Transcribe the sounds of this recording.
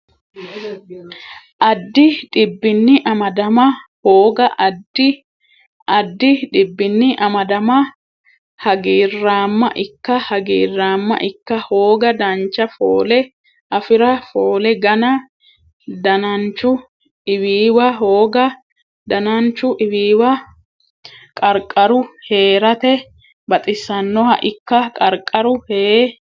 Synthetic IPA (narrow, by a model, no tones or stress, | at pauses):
ʔɐd̪ːɪᶑɪbːɪnːɪʔɐmɐd̪ɐmɐhoːɡɐʔɐd̪ːɪ | ʔɐd̪ːɪᶑɪbːɪnːɪʔɐmɐd̪ɐmɐ | hɐɡiːrːaːmːɐ̰ʔɪkːɐhɐɡiːrːaːmːɐ̰ʔɪkːɐhoːɡɐd̪ɐnt͡ʃːɐfo̰ːlɛ | ʔɐfɪɾɐfo̞ːlɛɡɐnɐ | d̪ɐnɐnt͡ʃːʊ | ɪwiːwɐɦoːɡɐ | d̪ɐnɐnt͡ʃːʊʔɪwiːwɐ | kʼɐɾkʼːɐɾʊhe̞ːɾɐt̪ɛ | bɐt̪ʼɪsːɐnːɔhɐ̰ʔɪkːɐkʼɐɾkʼːɐɾʊheː